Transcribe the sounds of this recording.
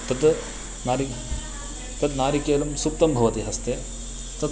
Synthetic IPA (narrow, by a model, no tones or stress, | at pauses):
t̪ɐd̪ | naɾi | t̪ɐd̪naːɾikeːlɐmsup̚t̪ɐmbʱɐʋɐt̪iɦɐst̪eː | t̪ɐ